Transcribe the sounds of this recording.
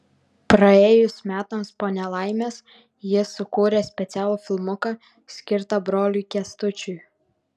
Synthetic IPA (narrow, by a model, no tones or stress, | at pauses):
pɾɐeːjʊsʲmʲæːt̪ɐmspoːnʲɛlˠɑɪmʲeːs | jɪsʊkuːɾʲesʲpʲɛt̪sʲæːlˠuːfʲɪlˠmʊkɑ | sʲkʲɪɾt̪ɐbɾoːlʲʊːkʲɛst̪ʊt͡ʃʲʊj